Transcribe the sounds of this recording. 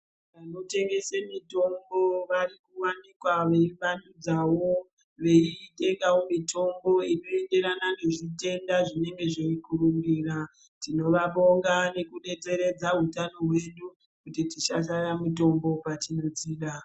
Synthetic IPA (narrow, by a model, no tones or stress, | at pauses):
ʋano̞te̞ŋɡe̞semito̞mbo̞ʋarikuwanikwaʋe̞ʋandud͡zawo̞ | ʋe̞iɗe̞kawomitʰo̞mbo̞ino̞e̞nde̞ɾanane̞ʐite̞ndaʐine̞ŋɡe̞ʐeikuruŋɡira | tino̞ʋaɓo̞ŋɡane̞kuɗe̞t͡se̞ɾe̞d͡zaɦutano̞ɦwe̞ɗu | kutitiʃaʃ̬aramito̞mbo̞patino̞d͡ziːɗa